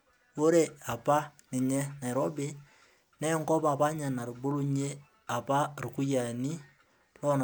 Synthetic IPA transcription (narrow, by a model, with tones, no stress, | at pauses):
o˦ɾe˨a˨pa˦nɪ˨ɲɛ˦na˨ɪ˨ɾɔ˦be˦ | nɛ˦ŋkɔ˦pa˨pa˦ɲa˨na˨ɾu˨bo˦ɾu˦ɲe˦ | a˨pa˦ru˨ku˦ja˨ni˦ | lɔ˦n˨